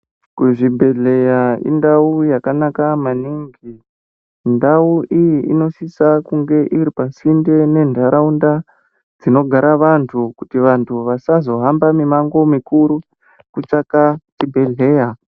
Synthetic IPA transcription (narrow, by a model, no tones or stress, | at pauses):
kuʐibʱe̞ɮe̞jaḭndaujakanakamaniŋɡi | ndauʔijiino̞sisakuŋɡe̞ʔiɾipasinde̞ne̞ndʱaɾaunda | d͡zino̞ɡʱaɾaʋantʰukutiʋantʰuʋasazo̞ɦambamimaŋɡo̞mikuɾu | kut͡ʂakatibʱe̞ɮe̞ːja